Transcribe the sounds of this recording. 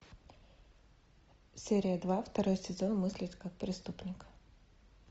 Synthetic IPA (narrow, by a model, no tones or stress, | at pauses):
sʲeɾʲɪjəd̪vaft̪ɐɾojsʲɪzonmɨsʲlʲɪt̪ʲkak̚pɾʲɪst̪upnʲɪk